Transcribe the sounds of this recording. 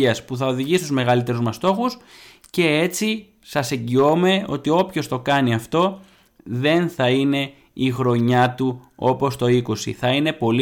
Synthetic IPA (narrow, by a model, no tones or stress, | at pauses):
iɐspuθɐo̞ðiʝisi̥st̪uzme̞ɣɐlit̪e̞ɾuzmɐst̪o̞xus | ce̞e̞t͡si | sɐseɲɟio̞me̞o̞̰t̪io̞pço̞st̪o̞kɐniɐft̪o̞ | ðe̞nθɐine̞ | ixɾo̞ɲɐt̪uo̞po̞st̪o̞iko̞sḭθɐine̞po̞l